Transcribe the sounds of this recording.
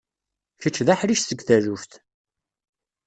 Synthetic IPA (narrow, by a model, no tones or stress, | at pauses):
çət͡ʃːðaħɾiʃθəɡθæɾufθ